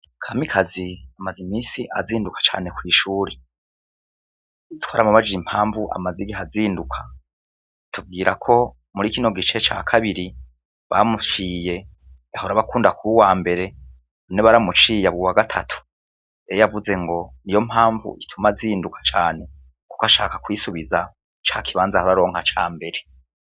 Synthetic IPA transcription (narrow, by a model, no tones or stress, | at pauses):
kʰamikʰaziamazimiːsiʔa̰ziːndukʰḁt͡ʃa̰ːne̞kwiːʃuːɾe | itwaːɾamuβad͡ʒiim̥haːɱvuʔa̰maziɡiɦaziːndukʰḁ | tʰub̚ɡiːɾakʰo̞ | muɾikino̞ɡit͡ʃe̞t͡ʃa̰ːkʰaβiɾi | βamut͡ʃiːje̞ | ahoɾaβakuːndakuuwaːmbe̞ɾe̞ | oneβaɾamut͡ʃiːjaβuwaɡatʰatʰu̥ | ejjavuze̞ŋɡo̞nijo̞mhaːɱvṵʔitʰumaziːndukʰḁt͡ʃaːne̞ | ku̥kaʃaːkḁkwiːsuβiza | t͡ʃakʰiβaːnzahoɾaɾo̞ːŋ̥hat͡ʃa̰ːmbe̞ɾe̞